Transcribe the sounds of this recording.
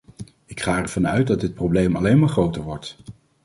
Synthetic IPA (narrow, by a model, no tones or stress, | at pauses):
ɪkχaːɛɹvɑnœɥt̚dɑdɪt̚prowblejmɑlejnmaːɹχrowtəɹʋɔɹt